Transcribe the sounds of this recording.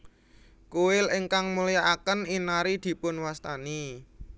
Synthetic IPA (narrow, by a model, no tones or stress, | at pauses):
kuɪlɪŋkaŋmulijaʔakəninaɾid̪̥i̤pʊnwast̪ani